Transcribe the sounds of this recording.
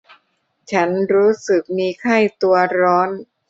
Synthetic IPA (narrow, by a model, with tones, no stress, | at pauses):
t͡ɕʰa˦˥nɾuː˦˥sɯ˨˩k̚miː˧kʰa˥˩jt̪u˧ɐɾɔː˦˥n